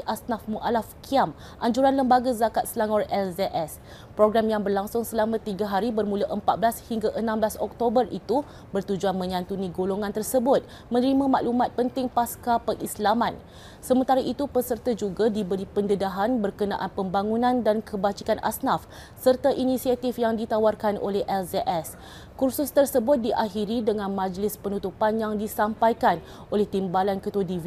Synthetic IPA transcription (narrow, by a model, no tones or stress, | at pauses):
ʔasnafmuʔalafkʰiam | ʔaɲd͡ʒuɾanləmbaɡazakat̪̚slaŋɔrɛldeʔɛs | pɾoɡɾamjaŋbərlaŋsʊŋsəlamãt̪iɡaɦaɾibərmũlaʔəmpat̪̚blashiŋɡaʔənãmblasɔk̚t̪obərit̪u | bərt̪ud͡ʒuanmə̃ɲãnt̪unĩɡoloŋãnt̪ərsəbʊt̪̚ | mə̃nəɾimãmaʔlumat̪̚pənt̪ɪŋpaskapəʔislamãn | səmənt̪aɾaʔit̪upəsərt̪ad͡ʒuɡadibəɾipəndədaɦanbərkəna̰ʔanpəmbaŋũnãndankʰəbat͡ʃikanʔa̰snaf | sərt̪aʔinisiat̪ifjaŋdit̪awarkanʔo̰lɛhʔɛlzeʔɛs | kursʊst̪ərsəbʊt̪̚diʔaɦiɾidəŋãnmãd͡ʒlɪspənut̪upanjaŋdisampajkan | ʔolɛht̪imbalankət̪uadiv